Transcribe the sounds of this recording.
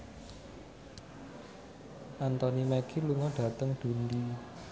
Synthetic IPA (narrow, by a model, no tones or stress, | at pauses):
ʔant̪ɔnimɛkʰiluŋɔɖ̥ä̤t̪əŋɖ̪̥ṳnd̪i